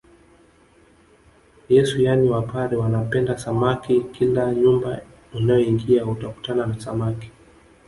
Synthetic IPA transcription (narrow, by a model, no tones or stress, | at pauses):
jɛsujaniwapaɾiwanapɛndasamakikilaɲumba | inajɔiŋɡiautaku̥tananasamaki̥